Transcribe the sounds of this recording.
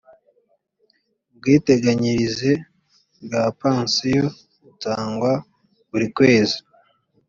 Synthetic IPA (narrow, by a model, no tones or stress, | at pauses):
bɡiːteɡaɲiɾize̞ | bɡaːpaːnsijo̞ | utaːŋɡwa | βuɾikwe̞ːzi̥